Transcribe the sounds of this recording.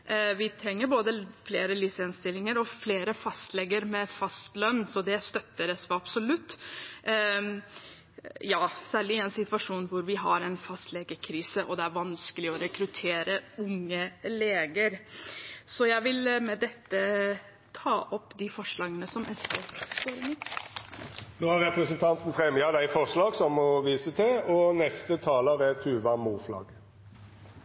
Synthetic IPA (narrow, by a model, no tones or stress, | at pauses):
ʋɪt̪ʰɾɛŋːəɾboːd̪əfleːɾəlɪsɛnst̪ɪlːɪŋəɾɔfleːɾəfɑst̪lɛɡːəɾmɛfɑst̪lœnːsɔd̪ɛæst̪œt̪ːəɾɛsʋɑbsɔlʉt̪ː | jɑːsæːɭɪɛnsɪt̪ʋɑʂuːnʋʊɾʋɪɦɑɾɛnfɑst̪lɛɡəɾkʰɾiːsəʔɔ̰d̪ɛæɾʋɑnskəlɪɔɾɛkɾʉt̪ʰeːɾəʊŋːəleːɡəɾ | sɔjæɪʋɪlmɛd̪ɛt̪ːə | t̪ʰɑːʔɔpːd̪ɪfɔʂɭɑːɡənəsɔmʔɛsəst̪oːɾɪmə | noːhæʁʁɛpʁəsənt̪ʰɑnt̪n̩fʁɛmjɑd̪æɪfɔʁʂlɑːɡsɔmɔʋiːsət̪ʰɪlɔnɛst̪ət̪ʰɑːləʁɛt̪ʰʉːʋæmuːflɑ̰ːɡ